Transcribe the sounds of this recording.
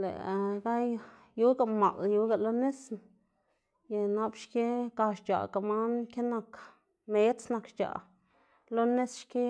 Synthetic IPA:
lḛ˨ɡa˦j | ju˦ɡa˧˨ma̰˨lju˧˦ɡa˨lo˦ne˦s | ja˧˨na˧˦bʃke˦ka˧ʃt͡ʃa̰˨ka˧˨ma˦nkʲe˦na˧k | me˧˦sna˧kʃt͡ʃa̰˨ | lo˦ne˦sʃke˦

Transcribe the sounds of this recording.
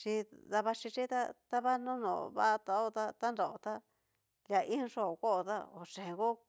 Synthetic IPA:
t͡ʃi˧d̪a˧βa˧ʂi˧t͡ʃi˦t̪a˦t̪a˦βa˦nõ˦nõ̰˨βa̰˦˧t̪a˧o˦t̪a˦t̪a˦nɾo˨o˨t̪a˦ | lja˧ʔi˦˧ʂo˦o˨ko˦˧t̪a˦o˨ʂe˨ɣo˦

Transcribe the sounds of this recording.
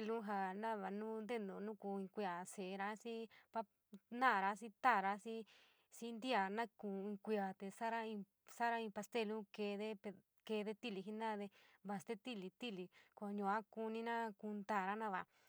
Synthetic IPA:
e˧lũ˦ɦa˧nã˦βa˨nũː˦nd̪e˦nd̪õ˧˨nũ˦ku˧ĩ˧kʷi˧a˨se˨˧ɾa˧˦si˦pa˦ | nã˦˨ɾa˧˦si˦t̪a˦˨ɾa˧˦si˦ | si˦nd̪i˦a˨nã˦kũ˨˧˨ĩ˧kʷi˧a˨t̪e˧sa˦ɾa˦ĩ˧ | sa˦ɾa˦ĩ˧pa˧st̪e˧lũ˦ke˧ðe˦p | ke˧ðe˦t̪i˦li˧ɦi˦˧nã˦ðe˧βa˧st̪e˦t̪i˦˨li˧t̪i˦˨li˧kʷa˧ɲũ˧a˦ku˧nĩ˧nã˦ku˧nd̪a˦˨ɾa˦nã˦βa̰˧˨

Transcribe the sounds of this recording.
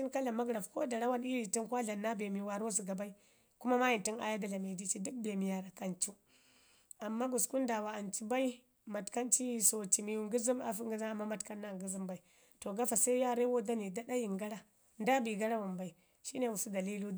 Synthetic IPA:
i˦nka˦la˨ma˦ɡɾa˨fko̰˦da˨ɾa˦wa˦ni˦ɾi˨ti˦nkʷa˦ɮa˨nːa˦be˨mi˨wa˨ɾo˦s̬u˨ɡa˨ba˦i˦ | ku˦ma˦ma˦ji˨nti˦na̰˦ja˦da˨la˨me˨di˦t͡ʃi˦du˦k̚be˨mi˨ja˨ɾa˨ka˦nt͡ʃu˦ | a˨mːa˦ɡu˨sku˦nda˨wa˨a˨nt͡ʃi˦ba˦i˦ | ma˨tka˦nt͡ʃi˦˨so˨t͡ʃi˨mi˨ju˨ŋɡu˦zi˦ma̰˨fu˦ŋɡi˦za˦a˨mːa˦ma˨tka˦nːa˦˨ɡu˦zi˦mba˨i˨ | to˨ɡa˦fa˨sa˦i˦ja˦ɾe˦wo˦da˦ni˨da˦da˦ji˨ŋɡa˦ɾa˦ | nda˦bi˨ɡa˦ɾa˦wa˨nba˨i˨ | ʃi˦ne˨wu˨su˦da˨li˦lu˦

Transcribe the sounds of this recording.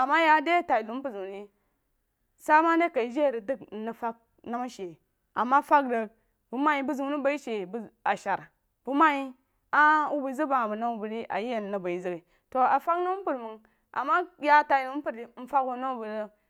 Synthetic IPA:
a˨ma˦ja˦de˦˨ta˨i˨lu˨˦m˦pu˦˨zu˨ni˦ | sa˦ma˦ne˦ka˨i˨˦d͡ʒe˦˨ɾi˨dɨ˦k̩˨nə˨fa˦k̚ | na˦ma˦ʃe˨ | a˨mːa˦fa˦kdə˨k̚ | b̥u˨ma˦ji˦bu˦zu˨˦ni˦ba˦i˦ʃe˨ba˨ʃa˨ɾ | b̥u˨˦ma˦ji˦ | a˦u˦bə˨zə˦ba˨ŋ˨bu˨na˦u˦bu˨ɾi˦ʔa̰˨ji˦je˨n˨nə˨ba˨i˨zə˦ɡi˨ | to˨a˨fa˦kna˦m˦pu˨ɾmə˨ŋ | ʔa̰˨ma˦ja˦ta˨i˨lu˨˦m˦pu˦˨ɾi˨˦m̩˦fa˦ku˨˦na˦u˦bu˨ɾə˦

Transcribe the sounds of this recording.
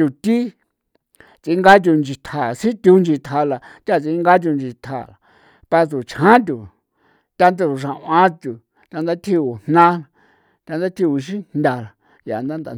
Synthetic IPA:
t̪u˨t̪i˦ | t͡si˧˦ŋɡa˦t̬ʲu˧nd͡ʒi˨˧t̪ʰa˨si˦t̪ʲu˧˦nd͡ʒi˧t̪ʰa˧˨la˧t̪ʲa˦˨t͡si˧˦ŋɡa˦t̬ʲu˧nd͡ʒi˧t̪ʰa̰˨la˨ | pa˧t͡su˨t͡ʃʰhã˦t̪̬ʲu˨ | t̪a˧nd̪u˧ʂ̬ã˨ʔã˧˦t̪ʲu˨ | t̪ʲa˧nd̪a˦t̪ʰi˦˧u˨n̥nã˦˧ | t̪ʲa˧nd̪a˦t̪ʰi˧u˧ʃ̬ĩ˦nnd̪ʲa˧la˨ | ja̰˨nd̪a˦nd̪a˨

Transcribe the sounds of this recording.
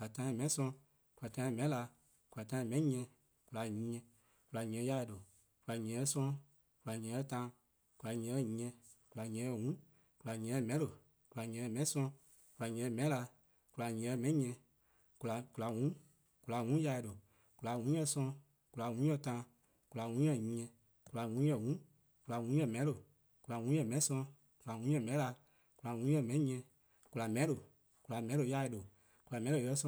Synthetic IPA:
a˨tã˧˦ɛ̃˧˨mɛ̃˧˦sɔ̃˧ | ku˨la˨tã˧˦ɛ̃˧mɛ̃˨˦la˧ | ku˨la˨tã˧˦ɛ̃˧˨mɛ̃˧˦ɲɛ̃˧ | ku˧la˨ɲĩː˧˦ɛ̃˧ | ku˨la˨ɲĩ˨ɛ̃˨˧˦ja˧˨do˨ | ku˨la˨ɲɛ̃˨˧ɛ˧˦sɔ̃˧ | ku˨la˨ɲɛ̃˨˧ə˧˦tãː˧˦ | ku˨la˨ɲɛ̃˨˧˨ɲĩ˧˦ɛ̃˧ku˨la˨ɲɛ̃˨˧ə˧˨wũ˨˦ | ku˨la˨ɲɛ̃˨˧˨mɛ̃˨˦lo˨ | ku˨la˨ɲɛ̃˨˧˨mɛ̃˧˦sɔ̃˧ | ku˨la˨ɲɛ̃˨˧mɛ̃˨˦la˧ | ku˨la˨ɲɛ̃˨˧mɛ̃˧˦ɲɛ̃˧ | ku˧la˨ku˧la˨wũ˨˦ | ku˨la˨wũ˨˦ja˧do˨ | ku˨la˨wũ˨˦jɛ˧˨sɔ̃˧ | ku˨la˨wũ˨˦jɛ̃˧tãː˧˦ | ku˨la˨wũ˨˦jɛ˧˨ɲĩ˧˦ɲɛ̃˧ | ku˨la˨wũ˨˦jɛ˧˨wũ˨˦ | ku˨la˨wũ˨˦jɛ˧˨mɛ̃˨˦lo˨ | ku˨la˨wũ˨˦jɛ̃˧˨mɛ̃˨˦sɔ̃˧ | ku˨la˨wũ˨˦jɛ̃˧˨mɛ̃˨˦la˧ | ku˨la˨wũː˨˦jɛ˧˨mɛ̃˨˦ĩ˦ɲɛ̃˧˦ | ku˧la˨mɛ̃˨˦do˨ | ku˨la˨mɛ̃˨˦o˧˦ja˧i˧do˨ | ku˨la˨mɛ̃˨˦o˧˨jɛ˧˦sɔ̃˧

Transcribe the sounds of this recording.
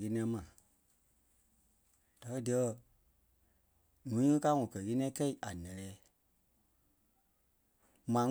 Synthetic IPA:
ɣe˧˦nĩ˧˦mã˨ | d̥a˨kə˦di˨˧ɜ˧˦ | nũ˨˦ŋɨ̃˦ka˦ŋɔ̃˨kɜ˨ɣe˦nĩ˦ɛ̃˦kɛ˦i˨ʔa˨nɛ̃˨lɛː˨˦ | mãː˨˦

